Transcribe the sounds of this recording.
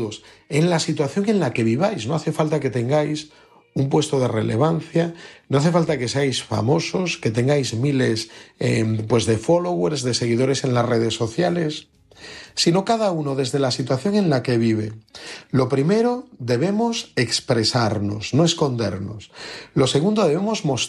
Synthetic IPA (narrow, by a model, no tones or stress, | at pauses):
ðos | e̞nlasit̪waθjoŋẽ̞nlake̞β̞iβ̞ajsno̞aθe̞falt̪ake̞t̪e̞ŋɡajs | umpwest̪oð̞e̞re̞le̞β̞an̟θjanoaθe̞falt̪ake̞seajsfa̰mo̞so̞ske̞t̪e̞ŋɡajzmile̞sepwe̞zðefo̞loɣweɾzðe̞se̞ɣiðo̞ɾe̞se̞nlasre̞ðe̞sːo̞θjale̞sː | ino̞kaðauno̞ðe̞zðe̞lasit̪waθjo̞ŋẽ̞nlake̞β̞iβ̞e̞lo̞pɾime̞ɾo̞ðe̞β̞e̞mose̞kspɾe̞saɾno̞̰sno̞e̞sko̞nd̪e̞̰ɾno̞̰slo̞se̞ɣ̞und̪o̞ðe̞β̞emozmo̞s